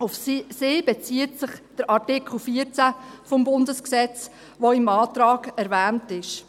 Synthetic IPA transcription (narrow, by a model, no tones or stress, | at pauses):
ʊfseːb̥ɛt͡siːətsɪχd̥əɾʔɑrtɪkʰl̩ˠfiːət͡sæfɔmbʊndəsksɛt͡s | ʋoɪmɑːtɾɑːɡɛɾʋæːntɪʃ